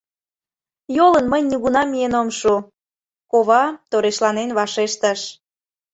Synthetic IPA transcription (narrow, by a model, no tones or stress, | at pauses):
jolənməjniɣunɑmijenomʃu | koβɑt̪oɾeʃlɑnenβɑʃeʃt̪əʃ